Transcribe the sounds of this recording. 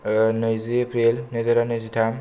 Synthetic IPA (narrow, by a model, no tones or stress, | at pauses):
nɯjziepʰɾelnezaɾanɯzitʰam